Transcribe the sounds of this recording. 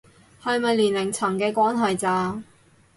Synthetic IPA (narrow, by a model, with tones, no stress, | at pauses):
hɐ˨jmɐ˨jliː˨˩nlɪ˨˩ŋt͡sʰɐ˨˩ŋkɛː˧kʷaː˦˥nɦɐ˨jt͡saː˨˧